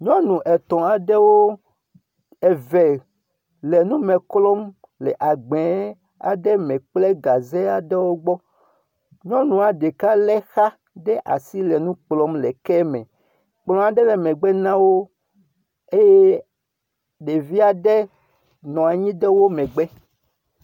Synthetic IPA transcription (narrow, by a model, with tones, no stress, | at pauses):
ɲɔ̃˦nũ˨ʔɛ˨t̪ɔ̃˨a˨ɖɛ˦wo˦ | ɛ˨vɛ˨ | lɛ˨nũ˦mɛ̃˨klɔ˦m | lɛ˨ʔa˨ɡ͡bɛ˨˦ | a̰˨ɖɛ˦mɛ̃˨k͡plɛ˦ɡa˨zɛ˦a˨ɖɛ˦wo˦ɡ͡bɔ˦ | ɲɔ̃˦nũ˨a˨ɖe˨ka˦lɛ˦xa˦ | ɖɛ˦ʔa̰˨si˦lɛ˨nũ˦k͡plɔ˦mlɛ˨kɛ˦mɛ̰̃˨ | k͡plɔ̃˨a˨ɖɛ˦lɛ˨mɛ̃˨ɡ͡bɛ˦nã˦wo˦ | e˦je˦ | ɖe˨vi˦a˨ɖɛ˦ | nɔ̃˨a˨ɲĩ˦dɛ˦wo˦mɛ̃˨ɡ͡bɛ˦